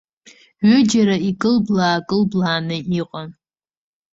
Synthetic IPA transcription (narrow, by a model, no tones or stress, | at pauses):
ɥʏd͡ʒaɾaikʼɨlblaːkʼɨlblaːnɨiqʼan